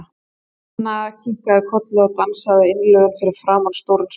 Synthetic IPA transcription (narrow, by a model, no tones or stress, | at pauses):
nːaðacʰiŋkaðɪkʰɔt̪lɛɣat̪ansaðɪɪnːlœɣʏnfɪɾɪɾ̥fɾaːmanst̪owɾn